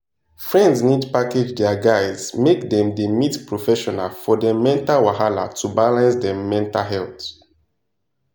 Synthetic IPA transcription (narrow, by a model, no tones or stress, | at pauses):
fɹɛ̃ndznidpaked͡ʒdɛaɡaɪzmekdɛ̃mdemitpɹɔfɛʃɔna̰lfɔdɛmɛ̃ntawaɦala̰tʰubalãnsdɛ̃mːɛ̃ntaɦɛlt